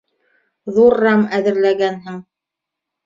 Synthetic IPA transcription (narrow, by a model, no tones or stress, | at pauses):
ðuɾːɑmæðɘ̆ɾlæɡænɦɘŋ